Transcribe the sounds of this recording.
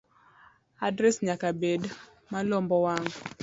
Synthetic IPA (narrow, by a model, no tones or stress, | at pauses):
adɾɛsɲakabed | malombɔwaŋ